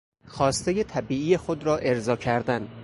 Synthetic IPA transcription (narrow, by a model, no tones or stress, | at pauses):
xɒːst̪ejet̪ʰæbiːijexod̪ɾɒːʔe̞ɾzɒːcʰæɾd̪æn